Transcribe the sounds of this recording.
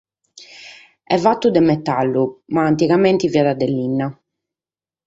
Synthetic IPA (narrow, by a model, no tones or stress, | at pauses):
ɛvat̪ːud̪ɛmɛt̪ːalːumaːnt̪iɣament̪iviad̪ad̪ɛlːinːa